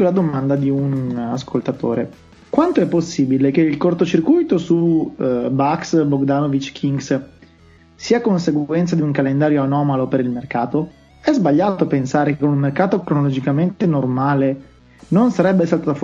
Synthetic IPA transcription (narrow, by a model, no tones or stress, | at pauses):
lad̪omand̪ad̪iunaskolt̪at̪o̰ːɾe | kwant̪oɛpːosːiːbilek̟eilkort̪ot͡ʃirkujt̪osu | baksboɡd̪anovit͡ʃːkʰiŋɡs | siːakonseɡwɛnt̪sad̪iuŋkalend̪aːɾjoanɔːmalopeɾilmerkaːt̪o | ɛzbaʎːaːt̪opensaːɾekekonunmerkaːt̪okɾonolod͡ʒikament̪enormaːle | nonsaɾɛbːesalt̪at̪af